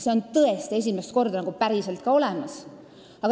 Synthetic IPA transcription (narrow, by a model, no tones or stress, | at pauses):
seo̞nt̪ɤest̪ie̞s̬ʲimest̪ko̞rd̪̥ɑnɑɡ̥upæɾise̞lt̪kɑo̞le̞mɑs | ɑɡ̥